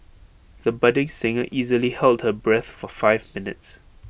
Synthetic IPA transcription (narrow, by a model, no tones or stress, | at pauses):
ðəbʌdɪ̃ŋsɪ̃ŋəʔizəlihɛlˠd̚həbɹɛθfɔfaɪvmɪnɪ̰ts